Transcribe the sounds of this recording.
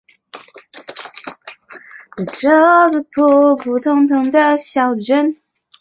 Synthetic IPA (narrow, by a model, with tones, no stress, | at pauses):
ə˨˩ʈ͡ʂɤ˥˧ɡə˧pʰu˥˧pʰu˨˩t̪ʰʊ˥ŋt̪ʰʊ˧˥ŋd̪ə˧ɕjɑ˨˩ʊʈ͡ʂə˧˥n